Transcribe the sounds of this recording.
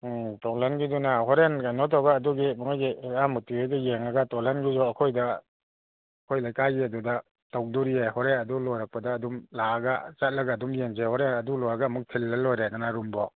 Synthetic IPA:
tɔŋlanɡidunaɦɔɾenkajnɔtʰawɡaːduɡibɔŋajɡiamutiejɡajeŋaɡatɔlanɡizɔɐkʰojdɐ | kʰojlajkaɡiɐduda | taw̚duɾieɦɔɾenɐdulɔjɾak̚pɐdaːdumlaɡa̰t͡ʃat̚lɐɡaːdumjeŋzehɔɾenɐdulɔjɾaɡaːmuk̚tʰilːalojɾenanaɾumbɔ

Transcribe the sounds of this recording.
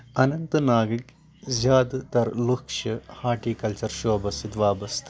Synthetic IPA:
ɐnɐnt̪ɨnaːɡɾik | d͡ʒaːd̪t̪ɐɾlukʂɐhaːʈiːkɐlt͡ʃɐɾʃoɐbɐsit̪ʋaːbɐst̪ʰ

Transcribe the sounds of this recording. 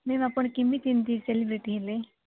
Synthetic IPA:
meʋapəɳkɪmit̪ʰint̪iselibɾiʈile

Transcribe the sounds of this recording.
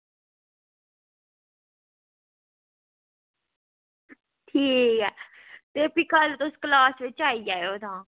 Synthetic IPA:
ʈʰiːkɛː | t̪eːpɪkəlt̪ʊsklaːsʋɪt͡ʃaːiːd͡ʒaːeoːd̪ãː

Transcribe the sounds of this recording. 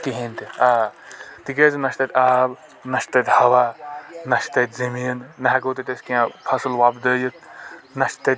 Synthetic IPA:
kiɦẽnt̪iaːt̪ikeznɐʃt̪ɐt̪ʲaːb | nɐʃt̪ɐt̪ʲhɐʋaːnɐʃt̪ɐt̪ʲzɐmiːnːɐɦakowt̪et̪ɐsʲkiãpʰɐsɨlʋaːbd̪əjɐt̪nɐʃt̪ɐt̪

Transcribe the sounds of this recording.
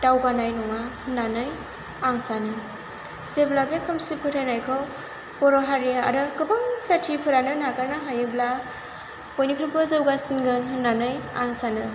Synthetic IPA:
tawɡanajnɔŋahɯndanɯj | aŋsanɯ | zeblabekʰɯmsipʰɯtʰajnajkʰɔ | pɔɾɔɦaɾiaa̰ɾɯkɯbaŋsatʰipʰɯɾanɯnakaɾnaɦajɯbla | pojnikʰɾupɯzɯwɡasinɡɯnɦɯnːanɯjaŋsanɯ

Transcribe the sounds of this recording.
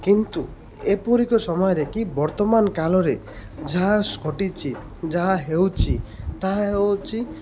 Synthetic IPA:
kint̪u | epɔɾikɔsɔmɔjɔɾekibɔɾt̪ɔmankalɔɾe | d͡ʒaɦaskʰɔʈit͡ʃʰi | d͡ʒaɦaɦewt͡ʃʰit̪aɦaɦewt͡ʃʰi

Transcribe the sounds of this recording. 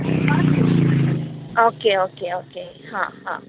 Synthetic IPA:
a | ʔokeokeokeha̰ha̰

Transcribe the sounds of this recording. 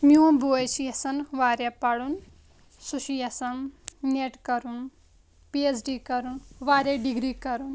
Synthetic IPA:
muɐmbuesijɐsɐnʋaɾjapaɽun | suʃijɐsɐnneʈkɐɾun | piesɖikɐɾunʋaɾjaɖiɡɾikɐɾun

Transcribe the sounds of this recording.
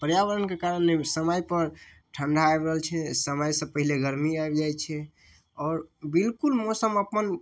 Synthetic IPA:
pəɾjaβəɾənkekaɾənlesəməjpəɾ | ʈʰə̃ɳɖʱaebɾəɦəlt͡ʃʰɛsəməjsə̃pəɦileɡəɾmiaebd͡ʒajt͡ʃʰɛ | ɔːɾbilkulmosəməpən

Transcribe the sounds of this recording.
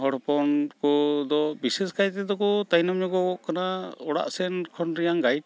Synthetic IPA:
ɦɔɽpɔnkɔd̪ɔbisɛsɡajt̪ɛd̪ɔkɔt̪ajnɔmɲɔɡɔɔʔkanaɔɽa̰ʔsɛnkʰɔnɾijaŋɡaj̚

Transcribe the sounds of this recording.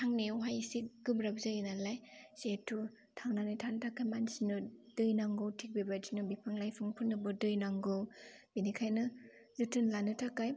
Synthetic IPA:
tʰaŋnewɦajisik̚ɡ̥ɯbɾabzajinalajsetʰːu | tʰaŋnanitʰantʰakajmansinɯd̥ɯjnaŋɡɯwtʰik̚bibad͡ʒinɯbipʰaŋlajpʰɯŋpʰunːɯbɯdɯjnaŋɡɯwb̥inikʰajnɯ | lɯtɯnlanɯtʰakaj

